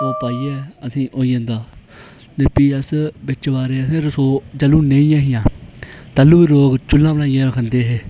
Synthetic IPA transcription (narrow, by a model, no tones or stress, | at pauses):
oːpaːiːɛːəsĩːʔoːijãːnd̪aː | neːpiːəsbɪt͡ʃʋaːɾeːəsẽːɾəsoːd͡ʒəlũːnẽːĩːãːɦɪjãːt̪əlũːʋiːɾoːɡt͡ʃʊlːãːbəlaːijãːɾəkʰənd̪eːɦeː